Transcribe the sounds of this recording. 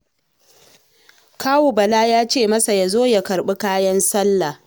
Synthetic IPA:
kʰaː˦wu˨bɐ˨laː˦jaː˦t͡ʃeː˦˨mɐ˦sa˨ja˨zoː˦ja˨kɐ˨ɾɓu˦kaː˦jɐ˦nsɐ˦lːa˨

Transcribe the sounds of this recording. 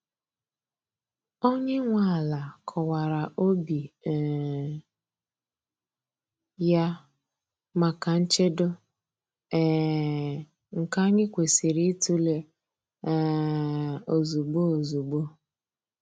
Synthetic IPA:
o˦ɲe˦ŋʷa˨la˨kʰɔ˨wa˨ɾa˨ʔo˦bi˨ | ja˦ | ma˨ka˨n̩˦t͡ʃe˦do˦ | ɛ˦˨ | ŋ̩˨ka˦ɲɪ˦kʷe˨si˨ɾi˦tu˦le˦ | o˨zu˨ɡ͡bo˦o˨zu˨ɡ͡bo˦

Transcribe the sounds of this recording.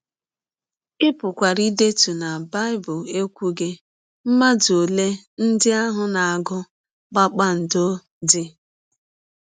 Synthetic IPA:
ɪ˦pʊ˨kʷa˨ɾi˦de˦tu˨na˨ba˦ɪ˦bʊ˨le˦kʷu˦ɡe˦ | m̩˦ma˦do˨le˦ | n̩˦dɪ˦a˦ɦʊ˨na˨a˨ɡʊ˦ | ɡ͡ba˦k͡pa˦n̩˨do˦ | d͡ʒɪ˦

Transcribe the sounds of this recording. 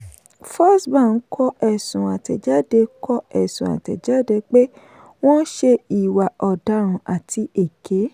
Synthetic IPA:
fɔ˦sbã˦˨n̩˦kʰɔ˦ɛ˦˨sũ˨a˨tɛ˨d͡ʒa˦˨de˧kɔ˦ɛ˨sũ˨a̰˨tɛ̰˨d͡ʒa˦˨de˧k͡pe˦ | w̃ɔ̃˦ʃe˧i˨wa˨ɔ˨da˨˦ɾ̃ũ˧ʔa˨tʰi˧e˨kʰe˨˦

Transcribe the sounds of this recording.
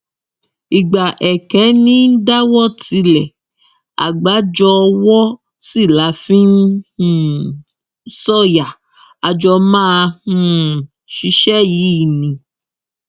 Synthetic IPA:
i˨ɡ͡ba˨ʔɛ˨kɛ˨˦nĩ˦n̩˦da˦wɔ˦tʰi˨˧˦lɛ˨ | a̰˨ɡ͡ba˨˦d͡ʒɔ˧wɔ˦ | si˦˨la˨˦fĩ˦n˦hũ˦ | sɔ˦˨ja˨ | a˨d͡ʒɔ˧mãː˦˧ũ˦˨ | ʃi˧ʃɛ˦ji˨˦˨nĩ˨

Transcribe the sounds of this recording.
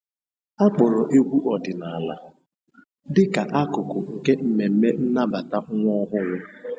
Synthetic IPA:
a˦k͡pɔ˨ɾɔ˨ʔe˦ɡʷu˦ʔɔ˨dɪ˨na˨a˨la̰˦ | dɪ˦ka˨ʔa˦kʊ˨kʊ˨ŋ̩˨ke˦m̩˨me˨m̩˦me˦n̩˦na˦ba˨ta˦ŋʷɔ˦ɦʊ˦ŋʷʊ˦

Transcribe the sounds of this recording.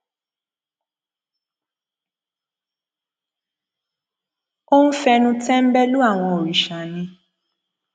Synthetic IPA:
o˦nũ˦fɛ˧nũ˧tɛ̃˦m̩˦bɛ˦lu˦a˦˨w̃ɔ̃˧o˨ɾi˨ʃa˨nĩ˧

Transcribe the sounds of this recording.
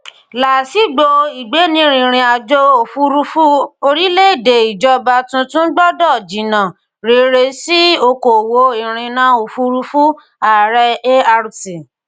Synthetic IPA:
la˨si˨˦ɡ͡bo˧i˨ɡ͡be˨˦nĩ˧ɾ̃ĩ˨ɾ̃ĩ˧a˨d͡ʒo˦o˨fu˦ɾu˧˦fu˦o˧ɾi˦le˦˨de˨i˨d͡ʒɔ˧ba˧tũ˧tũ˦ɡ͡bɔ˦dɔ˦˨d͡ʒi˨nã˨ | ɾe˨˦ɾe˧si˦o˧ko˨wo˧˦i˨ɾ̃ĩ˧nã˨˦o˨fu˧ɾu˧fu˦ | a˨ɾɛ˧e˦a˧ɾu˨ti˨

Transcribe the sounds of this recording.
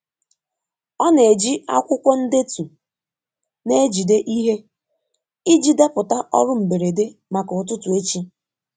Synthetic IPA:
ɔ˦ne˨d͡ʒi˦a̰˦kʷʊ˦kʷɔ˦n̩˦de˦tu˨ | ne˦d͡ʒi˨de˦ʔi˦ɦe˦ | i˦d͡ʒi˦da˦pʊ˨ta˦ʔɔ̰˦ɾʊ˦m̩˨be˨ɾe˨de˦ma˨kʊ˨tʊ˦tʊ˨e˦t͡ʃi˦

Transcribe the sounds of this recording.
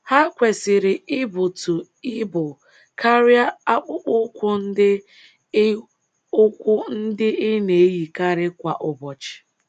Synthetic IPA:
ha˦kʷe˨sɪ˨ɾɪ˨ɪ˦bʊ˨tʊ˨ | ɪ˦bʊ˨ | kʰa˦ɾja˦a˦k͡pʊ˦k͡pʊ˦kʷʊ˦n̩˦dɪ˦ | ʊ˦kʷʊ˦n̩˦dɪ˦ʔɪ˦ne˨˦ji˨ka˦ɾɪ˦kʷa˨ʔʊ˨bɔ˨t͡ʃɪ̥˨

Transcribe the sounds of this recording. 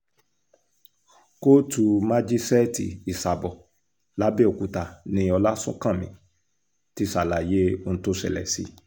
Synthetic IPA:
ko˦tu˨mã˦d͡ʒi˦sɛ˦tḭ˨i˨sa˨bɔ˨ | la˨˦be˦o˨ku˨ta˨nĩ˧˦ɔ˧la˦sṵ̃˦kã˦˨mĩ˨ | ti˦sa˨la˨je˦o˧ñ̩˦to˦ʃɛ̰˨lɛ̰˨si˨˦

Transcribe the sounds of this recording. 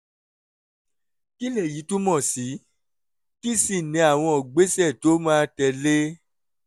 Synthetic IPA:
ki˦le˦˨ji˨˦tũ˦mɔ̃˦˨si˨˦ | ki˦si˦˨nĩ˨˧a˨w̃ɔ̃˧o˨ɡ͡be˨˦sɛ˦˨to˨˦mãː˦tɛ˧le˦

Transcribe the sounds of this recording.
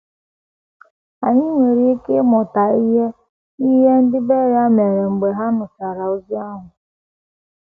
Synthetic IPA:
a˨ɲɪ˦ŋʷe˨ɾi˦i˦ke˦mʊ˨ta˨i˦ɦe˦ | i˦ɦe˦n̩˦dɪ˦be˦ɾa˦me˨ɾe˨ŋ͡m̩˨ɡ͡be˨ɦa˦nʊ˨sa˨ɾa˨o˦zi˦a˦ɦʊ˨

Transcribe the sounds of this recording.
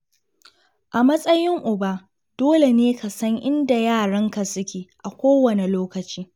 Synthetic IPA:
ʔa˨mɐ˦sʼɐ˦jɪ˦ŋʔʊ˨ba˦ | d̥oː˦le˨neː˦ka˨sɐ˦ŋʔɪ˦nda˨jaː˦˨ɽɐ˦ŋka˨sʊ˦kʲeː˨ʔa˨kʷoː˦wɐ˨ne˨loː˦kɐ˨t͡ʃiː˦

